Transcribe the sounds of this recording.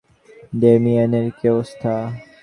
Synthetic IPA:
d̪emiəneɾkeost̪ʰa

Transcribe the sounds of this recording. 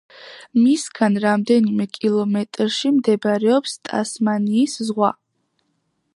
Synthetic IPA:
misɡanɾamd̪ɛnimɛkʼilˠɔmɛt̪ʼɾʃimd̪ɛbɾɛɔpst̪ʼa̰smaniːszʁwa̰

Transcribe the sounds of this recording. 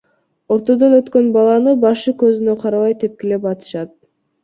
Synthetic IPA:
o̞ɾt̪o̞d̪o̞nøt̪kø̞nbɑlˠɑnɯbɑʃɯkøzynø̞qʰɑɾɑβɑjt̪e̞p̚kelepɑt̪ɯ̥ʃɑt̪̚

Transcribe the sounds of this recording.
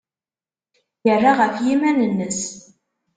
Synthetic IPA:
jərːaʁəfjimænənːəs

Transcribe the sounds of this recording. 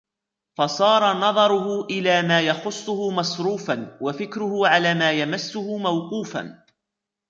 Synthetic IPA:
fɑsˤɑːɾˤɑnɑðˤɑɾˤʊhʊʔɪlaːmaːjɑxʊsˤːʊhʊmɑsˤɾuːfanwafɪkɾʊhʊʕalaːmaːjamasːʊhʊmawquːfa̰n

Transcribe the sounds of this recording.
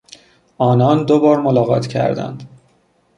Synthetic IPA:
ʔɒːnɒːnd̪obɒːɾmolɒːɣɒ̰ːt̪ʰcʰæ̰ɾd̪æ̰nd̪̥

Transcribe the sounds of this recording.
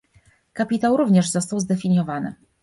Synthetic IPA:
kapʲit̪awɾuvɲɛʐzɔst̪awzd̪ɛfʲiɲjɔvanɘ̰

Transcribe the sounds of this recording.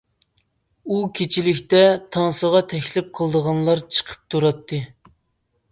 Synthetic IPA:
ukʲʰet͡ʃʰilɪkʲt̪ɛt̪ʰɑŋsəʁɑt̪ʰɛkʲlɪp̚qʰəlˠd̪əʁɑnlˠɑɾt͡ʃʰə̥qʰə̥p̚t̪ʰuɾɑt̪ʰːɨ

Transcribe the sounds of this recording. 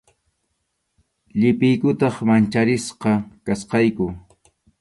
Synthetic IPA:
ʎɪpɪjkʊt̪ɑχmant͡ʃaɾɪsqɑkasqɑjkʊ

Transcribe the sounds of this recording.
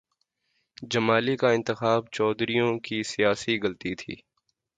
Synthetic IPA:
d͡ʒɐmaːlikaɪ̃nt̪ɪxaːbt͡ʃɔːd̪ɾijõkisijaːsiɣɐlt̪it̪ʰḭː

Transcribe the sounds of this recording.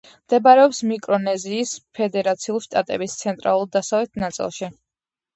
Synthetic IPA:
md̪̥ɛbaɾɛɔpsmikʼɾɔnɛziːspʰɛd̪ɛɾat̪sʰiulˠʃt̪ʼat̪ʼɛ̰bist̪sʰɛnt̪ʼɾa̰lˠulˠd̪asavlɛt̪ʰnat̪sʼḭlˠʃi

